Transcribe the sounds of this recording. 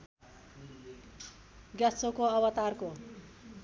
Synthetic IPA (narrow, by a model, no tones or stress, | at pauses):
ɡjasokoʌbʌt̪arko